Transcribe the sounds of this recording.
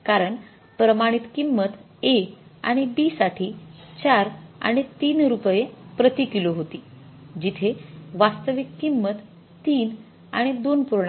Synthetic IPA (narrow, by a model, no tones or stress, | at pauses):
kaɾəɳ | pɾəmaɽ̃it̪kimːət̪ | eka̰ɽ̃ibiːsaʈʰiː | t͡ɕaɾa̰ɽ̃it̪iːnɾupjepɾət̪ikiloɦot̪iː | d͡ʑit̪ʰeʋast̪əʋikkimːət̪ː | iːn | a̰ɽ̃id̪onpuɾɳa